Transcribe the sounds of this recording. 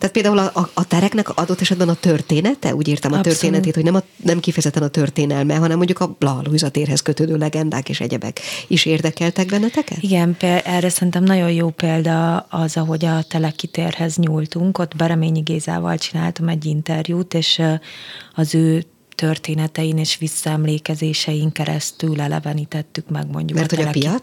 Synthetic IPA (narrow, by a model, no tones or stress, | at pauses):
aːt̪peːld̪aːulɒʔːt̪ɛɾɛknɛkɒd̪o̞t̪ːɛʃɛd̪bɛnɒt̪ørt̪eːnɛt̪ɛ̰ʔuːɟiːrt̪ɛmɒørt̪eːnɛt̪eːt̪ho̞ɟnɛmɒnɛmkifɛjɛzɛt̪ːɛnɒt̪ørt̪eːnɛlmɛɦɒnɛmːoɲɟukɒblɒɦɒloːizɒt̪eːrɦɛskøt̪øːd̪øːlɛɡɛnd̪a̰ːkḛːʃɛ̰ɟɛbɛ̰kiʃeːrd̪ɛkɛlt̪ɛɡ̚bɛnːɛt̪ɛkɛ̰t̪iɡɛnpeʔɛrːɛsɛrint̪ɛmnɒɟo̞jjoːpeːld̪ɒɒzɒɦo̞ɟɒt̪ɛlɛkːit̪eːrhɛzɲuːlt̪uŋko̞t̪bɛɾɛmeːɲiɡeːza̰ːvɒ̰lt͡ʃina̰ːlt̪ɒmɛɟːint̪ɛrjuːt̪eːʃ | ɒzøː | t̪ørt̪eːnɛt̪ɛjineːʃʋisːɒɛmleːkɛzeːʃɛjiŋkɛɾɛ̰st̪ylɛlɛ̰vɛnit̪ɛt̪ːykmɛ̰ɡmo̞̰ɲɟumɛrt̪hoɒlpiɒ